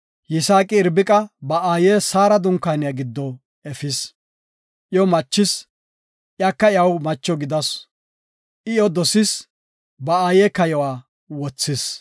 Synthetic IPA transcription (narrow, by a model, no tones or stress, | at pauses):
jɪsaːkʼɪːɾbɪkʼɐbɐʔaːjeːsaːɾɐd̪ʊŋkːaːnɪjɐɡɪd̪ːɔ | ɛfɪs | ʔɪjɔmɐt͡ʃːɪs | ʔjakːɐjɐwmɐt͡ʃːɔɡɪd̪ɐs | ʔɪjɔd̪ɔsɪs | bɐaːjeːkɐjɔwaː | wɔt͡sːɪs